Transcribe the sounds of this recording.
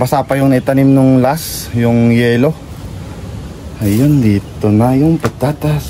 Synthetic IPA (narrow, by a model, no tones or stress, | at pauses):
bɐsaːpɐjʊŋniʔt̪ɐnimnʊŋlasjʊŋjɛːlo̞ | ɐjjond̪iːt̪onɐjʊŋpɐɡ̚t̪aːt̪as